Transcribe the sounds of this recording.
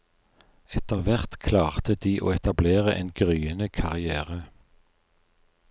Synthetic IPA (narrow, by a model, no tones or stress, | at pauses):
ɛt̪əʁʋæʁt̪kʰlɑːʁt̪əd̪̥iːʔo̰ːɛt̪ɑbleːʁəʔeːnɡʁyːənəkʰɑʁɪæːʁə